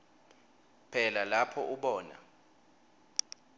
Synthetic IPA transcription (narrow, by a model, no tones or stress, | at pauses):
pʰɛlalapʰɔʔuɓɔːna̰